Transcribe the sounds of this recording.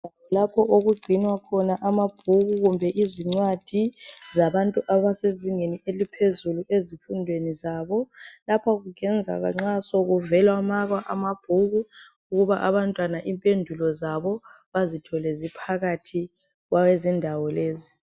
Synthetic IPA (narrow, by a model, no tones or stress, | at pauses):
awɔlapʰɔʔoɣuɡ͡ǀʱinwakʰɔnaʔamab̥ʱuɣuɣumbʱɛʔiziŋ͡ǀwad̥ʱizaβantʼuʔaβaseziŋenielipʰezuluʔezifundʱwenizaβɔlapʰɔɣuɣɛnd͡zʱa̰ɣa̰ŋ͡ǁasɔɣuvɛlwamaɣwaʔamab̥ʱuɣu | uɣuβaʔaβantʼwanaʔimpʼendʱulɔzaβɔ | βazitʰɔlɛzipʰaɣatʰi | ɣwʔawezindʱawɔleːzi